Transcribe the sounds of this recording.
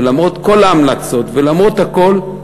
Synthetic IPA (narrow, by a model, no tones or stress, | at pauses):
lamʁot̪ko̞laamlat͡so̞t̪velamʁot̪hako̞l